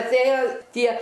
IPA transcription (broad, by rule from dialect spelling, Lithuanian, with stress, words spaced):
ɐtʲˈeːjoː ˈtʲiɛ